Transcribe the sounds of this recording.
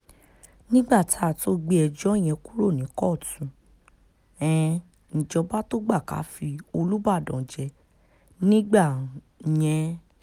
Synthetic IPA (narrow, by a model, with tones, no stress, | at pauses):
nĩ˦ɡ͡ba˦˨tʰa˦˨to˦ɡ͡be˦ɛ˧d͡ʒɔ˦˨j̃ɛ̃˧ku˦ɾo˦˨nĩ˨˦kɔ˦˨tũ˨˦ | ɛ̃˨ | ñ̩˨d͡ʒɔ˧ba˦to˦ɡ͡ba˦˨ka̰˨˦fi˧o˧lu˦ba˦˨dɔ̃˨d͡ʒɛ˧ | nĩ˦ɡ͡ba˦˨ | j̃ɛ̃˧